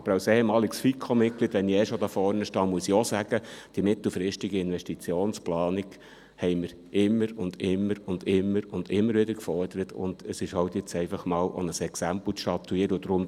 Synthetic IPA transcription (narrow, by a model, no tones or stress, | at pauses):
ɑb̥əɾawsɛhɛmɑːliksfikʰːomɪt̚kliːdʋɛniɛʃod̪ɑːfɔɾnəʃtɑːmuəsiɔsæɡ̥əd̥imɪt̪l̩fɾɪʃtiɡiɪnʋɛʃtit͡sjoːnsplɑːniɡ | hɛɪməɾ | ʔɪmːəɾʊnd̪ɪmːəɾʊnd̥̪ɪmːəɾʊnd̪ɪmːəɾʋɪd̪əɾkfɔrd̥̪əɾət̪ʰʊ̰nd̥̪əsɪʃhɑwt̪jɪt͡sɛɪfɑχmɑːlʔo̰nəsɛksæmpl̩t͡stɑt̪ːuiːəɾəʊd̪̥ɾʊm